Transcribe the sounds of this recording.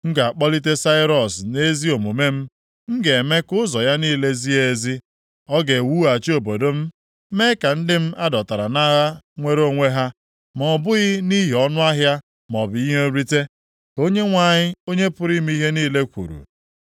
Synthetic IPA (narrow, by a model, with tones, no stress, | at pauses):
ŋ̩˦ɡa˨a˨k͡pɔ˦li˦t̬e˦sa˦ɪ˦ɾɔ˨sne˦zi˦o˨mu˨me˦m̩˦ | ŋ̩˦ɡe˨me˦kʊ˦zɔ˨ja˦niː˦le˦zi˦e˨zi˦ | ɔ˦ɡe˨wu˦a˨t͡ʃi˦o˨bo˨do˦m̩˦ | me˦ka˨n̩˦dɪ˦m̩˦a˦dɔ˨ta˨ɾa˨na˦ɣa˦ŋʷe˦ɾo˦˨ŋʷe˦ɦa˦ | mɔ˨bʊ˦ɣɪ˦ni˦ɦi˨ɔ˦nʊ˦a˦ɦja˦ | mɔ˨bi˨i˦ɦo˦ɾi˦te˦ | ko˦ɲe˦ŋʷa˨ɲɪ˦o˦ɲe˦pʊ˨ɾi˦m˦i˦ɦe˦niː˦le˦kʷṵ˨ɾṵ˨